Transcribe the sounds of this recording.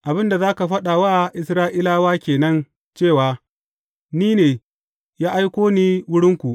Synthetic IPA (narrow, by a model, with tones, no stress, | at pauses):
ʔa˨bɪ˦nda˨zaː˦ka˨ɸɐ˦ɗa˨waː˦ʔɪ˨sɾaː˦ʔɪ˦laː˦waː˦kʲeː˨nɐ˦n | t͡ʃeː˦˨waː˨ | niː˦neː˨ | jaː˦ʔa˦jkʷoː˦niː˦wʊ˦ɽɪ˦ŋkʷu˨ʔ